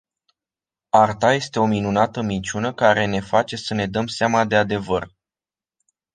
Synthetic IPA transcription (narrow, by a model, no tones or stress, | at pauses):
art̪aje̞st̪e̞o̞minunat̪əmint͡ʃunəkaɾe̞ne̞fat͡ʃe̞səne̞d̪əmseamad̪e̞ad̪e̞vər